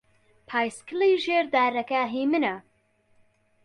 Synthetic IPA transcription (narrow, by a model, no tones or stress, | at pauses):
pʰaːjskɨliʒeɾd̪aɾɐkaɦimɨnɐ